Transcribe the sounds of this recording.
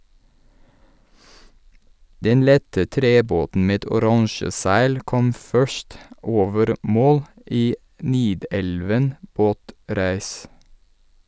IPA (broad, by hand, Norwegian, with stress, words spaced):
ˈdɛn ˈlɛtə ˈtɾeːˌboːtn̩ ˈmeːd ʊˈɾɑŋʃə ˈsæɪl ˈkɔm ˈfœʃt ˈʔoːʋəɾ ˈmoːl ˈʔiː ˈniːˌdɛlʋən ˈboːˌtɾæːs